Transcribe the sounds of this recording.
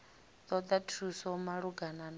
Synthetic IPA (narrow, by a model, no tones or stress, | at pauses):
t̪ɔd̪atʰusɔmaɺuɡanan